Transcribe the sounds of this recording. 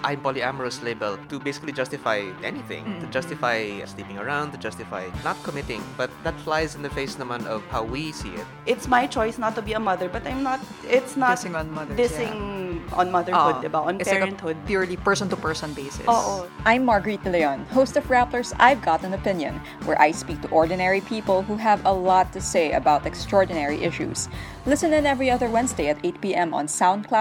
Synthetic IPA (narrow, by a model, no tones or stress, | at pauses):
ʔãɪ̃mpɔliæməɹəsleɪbəlt̪ubeɪsɪ̥klid͡ʒʌstɪfajʔɛ̰niθɪ̰̃ŋt̪ud͡ʒʌstɪfajslipɪ̃ŋəɹãʊ̃nd̚t̪ud͡ʒʌstɪfa̰ɪnət̪̚kʰɔmɪtɪ̰̃ŋbʌt̪̚ðət̪flaɪzɪ̃nðəfeɪsɪnðəmãntɔv̥hawwisḭɪ̰t̚ʔɪt̪smajt͡ʃɔjsnət̪ːubiəmʌðəɹbʌt̪ãjmnət̪̚ | ɪt̪snəsɪ̃ŋɔ̃nmʌðədɪsɪ̃ŋɔ̰̃nmʌðəɹʊdɛbaɔ̃npɛɹɛ̃nt̪̚hʊd̪̚pjʊɹlipɛ˞sɔ̃nt̪upɛ˞sɔ̃nbeɪsɪ̰ʔoʔoʔãjmːɑɹɡəɹit̪̚lɛjɔ̃nhoʊst̪ɔfɹæpləɹsa̰ɪvɡɑt̪æ̃nɔpɪ̃njɔ̰̃n | wɛ̰ɹʔa̰jspiːk̚t̪uʔɔɹd̪ɨnɛɹipʰiːpəlˠɦuɦævəlɔt̪ːuseɪə̰baʊt̪ɛkst̪ɹɔɹd̪ɨnɛɹiʔɪʃṵs | lɪsɨ̃nɨ̃nɛvɹiʌðəɹwɛ̃nsdeɪɐt̪eɪt̪̚piːʔɛ̃mɔ̰̃nsãʊ̃nd̪̚kʰla